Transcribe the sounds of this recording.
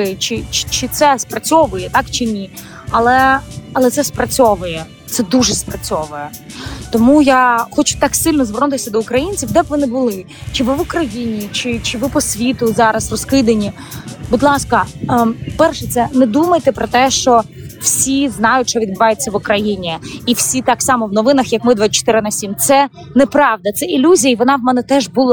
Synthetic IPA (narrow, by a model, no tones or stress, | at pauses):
ɪt͡ʃɪt͡ʃt͡ʃɪt̪sɛspɾɐt͡sʲɔʋʊjɛt̪ɑkt͡ʃɪnʲi | ɐlˠɛɐlˠɛt̪sɛspɾɐt͡sʲɔʋʊjɛ | t̪sɛd̪uʒɛspɾɐt͡sʲɔʋʊjɛ | t̪ɔmujaxɔt͡ʃʊ̥t̪ɑksɪlʲnɔzʋɔrnʊt̪ɪsʲɐd̪ɔʊkɾɐjinʲt͡sʲiwd̪ɛbʋɔnɪbʊlˠɪ | t͡ʃɪʋɪʋʊkɾɐjinʲit͡ʃɪt͡ʃɪʋɪpɔsʲʋʲit̪ʊzɑɾɐsrɔskɪd̪ɐnʲi | bʊd̪lˠɑskɐ | pɛrʃɛt̪sɛnɛd̪umɐjt̪ɛpɾɔt̪ɛʃt͡ʃɔ | w̥sʲiznɑjʊtʲʃt͡ʃɔʋʲid̪̚bɪʋɑjet͡sʲːɐʋʊkɾɐjinʲiiwsʲit̪ɑksɑmɔʋnɔʋɪnɐxjɐkmɪd̪ʋɪt͡ʃɔ̥t̪ɪɾɪnɐsʲimt̪sɛ | nɛpɾɑʋd̪ɐt̪sɛilʲuzʲijɐiʋɔnɑʋmɛnɛt̪ɛʒbʊlˠ